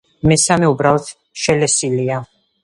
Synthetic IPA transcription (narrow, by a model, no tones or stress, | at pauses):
mɛsamɛubɾalˠɔt̪ʰ | ʃɛlɛsilia